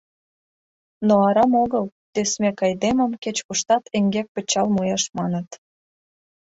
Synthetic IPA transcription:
noɑɾɑmoɣəl | t̪øsmekɑjd̪eməmket͡ɕkuʃt̪ɑt̪eŋɡek̚pə̆t͡ɕɑlmujɑʃmɑnət̪

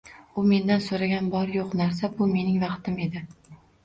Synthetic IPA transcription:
ʊme̞nd̪ansoɾaɡʲanbɒɾjoqnaɾs̬abʊme̞nɪŋvɑqt̪ʰɪme̞d̪ɪ

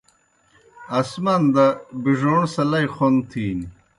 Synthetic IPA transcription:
ɐsmɐnd̪ɐbiʐoːɳsɐlɐjχont̪ʰiːni

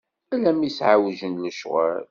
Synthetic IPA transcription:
ælæmisʕawʒənləʃʁa̰l

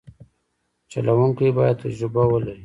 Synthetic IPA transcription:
t͡ʃalawuŋkijbajad̪̚t̪ad͡ʒɾɪbawəlai

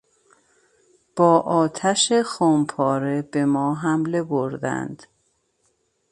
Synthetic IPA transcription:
b̥ɒːʔɒːt̪ʰæʃexompʰɒːɾe̞b̥e̞mɒːɦæmle̞boɾd̪æ̰nd̪̥

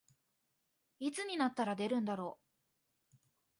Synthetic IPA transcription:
it͡sɨɲ̟inat̪ːaɾad̪e̞ɾɯ̟̃nd̪aɾo̞ː

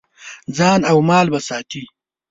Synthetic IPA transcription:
d͡zɑːnawmɑːlbasɑːt̪i

